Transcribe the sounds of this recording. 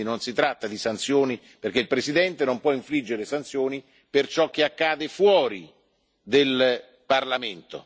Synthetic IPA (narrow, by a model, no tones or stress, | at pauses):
inonsit̪ɾat̪ːad̪isant̪sjoːni | perkeilpɾesid̪ɛnt̪enompwɔiɱflid͡ʒːeɾesant̪sjoːni | pert͡ʃɔk̟ːeakːaːd̪efwɔːɾi | d̪el | parlament̪o̰